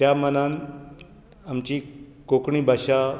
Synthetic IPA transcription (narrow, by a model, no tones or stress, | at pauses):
t̪jamənan | amt͡ɕiːkokɳiːbʱaɕa